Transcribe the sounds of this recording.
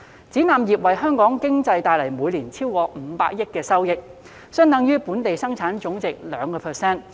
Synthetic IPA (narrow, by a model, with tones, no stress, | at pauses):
t͡siː˨˥naː˨mjiː˨p̚wɐ˨jɦœː˥ŋkɔː˨˥ŋkɪ˥ŋt͡sɐ˧jt̪aː˨jlɐ˨˩jmuː˨˧jliː˨˩nt͡sʰiː˥wkɔː˧m̩˨˧paː˧k̚jɪ˥t̚kːɛː˧sɐ˥wjɪ˧k̚ | sɵ˥nt̪ɐ˨˧˥ŋjyː˥puː˨˥nt̪e˨jsɐ˥ŋt͡sʰaː˨˥nt͡ʃʊ˨˥ŋt͡sɪ˨k̚lœː˨˧ŋkɔː˧pʰɛ˨sɛː˥n